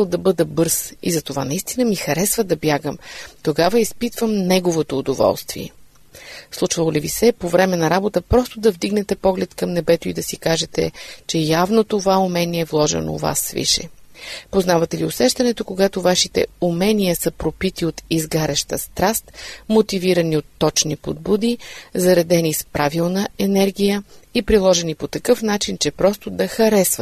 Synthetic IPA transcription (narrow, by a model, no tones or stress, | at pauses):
əlˠd̪ɐbɤd̪əbɤɾsḭzɐt̪ovanɐist̪inəmixɐɾɛsvɐd̪ɐbjaɡəmt̪oɡavəispit̪vəmnɛɡovot̪oːd̪ovɔ̰lˠst̪vḭɛ̰ | slˠut͡ʃvɐlˠolivisɛpovɾɛmɛnɐɾabot̪əpɾɔst̪od̪ɐvd̪iɡnɛt̪ɛpɔɡlɛt̪kɐmnɛbɛt̪oid̪ɐsikaʒɛt̪ɛ̰t͡ʃɛjavnot̪ovaumɛniɛːvlˠɔʒɛ̰no̰va̰svḭʃɛ̰poznavɐt̪ɛliosɛʃt̪ɐnɛt̪okoɡat̪ovaʃit̪ɛ̰umɛnijəsəpɾopit̪iot̪izɡaɾɛʃt̪əst̪ɾast̪mot̪iviɾɐniot̪ːɔt͡ʃnipod̪̚bud̪izɐɾɐd̪ɛnispɾavilˠnəɛnɛɾɡʲijəipɾilˠɔʒɛnipot̪ɐkɤfnat͡ʃint͡ʃɛpɾɔst̪od̪ɐxɐɾɛsvə